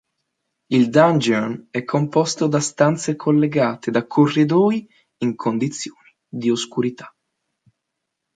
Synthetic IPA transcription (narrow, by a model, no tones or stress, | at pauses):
ild̪and͡ʒɛnɛkʰːompɔst̪od̪ast̪ant̪sekʰolːeɡaːt̪ed̪akʰːorːid̪ɔːj | iŋkʰond̪it̪sːjoːni | d̪ioskuɾit̪ʰḁ